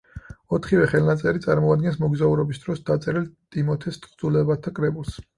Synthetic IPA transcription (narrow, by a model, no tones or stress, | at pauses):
ɔt̪ʰχivɛχɛlˠnat̪sʼɛɾit̪sʼaɾmɔad̪ɡɛnsmɔɡzauɾɔbisd̪ɾɔsd̪at̪sʼɛɾilt̪ʼimɔt̪ʰɛst̪ʰʼχd̪zulɛbat̪ʰakʼɾɛbulˠs